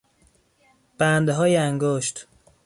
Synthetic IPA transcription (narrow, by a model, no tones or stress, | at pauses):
b̥ænd̪eɦɒːjeæŋɡoːʃt̪